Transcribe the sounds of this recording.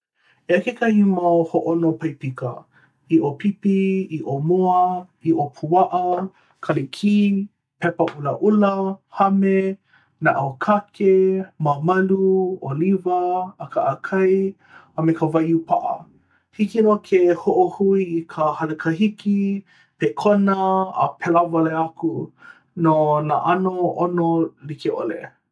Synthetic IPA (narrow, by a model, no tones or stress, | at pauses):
eakekɐhimahoʔonopɐjpikə̰ | iʔopipiiʔomoə | iʔopʰuɐʔɐ | kʰɐlekʰi | pɛpɐʔulɐʔulɐhɐme | na̰ʔokʰakʰemamɐluolivɐːkʰaʔːkʰɐj | əmekəvajupʰaʔɐ̰ | hikinokʰehoʔohuiːkʰəhɐlekʰəɦiki | pekʰonəə̰pʰɛlavaleakʰu | nonaʔanoonolikeʔo̰lḛ